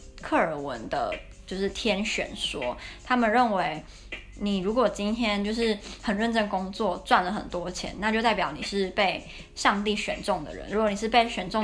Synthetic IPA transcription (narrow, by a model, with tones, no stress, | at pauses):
kʰɤ˥˩ə˨˩wə̰˧˦nd̪ə̰˧ | t͡ɕjo˥˧ʊʂɻ̩˥˩t̪ʰjɛ˥nɕɥɛ̰˨˩nʂwɔ˥t̪ʰa˥mə˨nɻə˥˩nwe˧˥ɪ | ni˨˩ɻu˨˧˥kwɔ˨˩t͡ɕi˥nt̪ʰjɛ˥nt͡ɕjo˥˧ʊʂɻ̩˥˩hə˨˩nɻə˥˧nʈ͡ʂə˥˧nkʊ˥ŋt͡swɔ˥˩t͡swa˥˩nlə˩xə˨˩nt̪wɔ˦˥t͡ɕʰjɛ̰˧˥˦nːa˥˧t͡ɕjt̪a˥˩pjɑ˨˩ʊni˨˩ʂɻ̩˥˧pe˥˧ɪ | ʂɑ˥˧ŋt̪i˥˩ɕɥɛ̰˨˩nʈ͡ʂʊ˥˩ŋd̪ə̰˩ɻə̰˧˦nɻu˧˥kwɔ˧˦ni˨˩ʂɻ̩˥˧pe˥˩ɪɕɥɛ˨˩nʈ͡ʂʊ˥˩˨